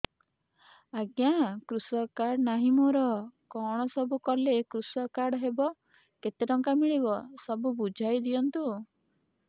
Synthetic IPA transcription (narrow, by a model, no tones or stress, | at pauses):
aɡjakɾusɔkaɾɽnaɦimɔɾɔkɔɽ̃ɔsɔbukɔlekɾusɔkaɾɽɦebɔ | ket̪eɾɔŋkamiɭibɔsɔbubud͡ʒʱajd̪ijɔnt̪u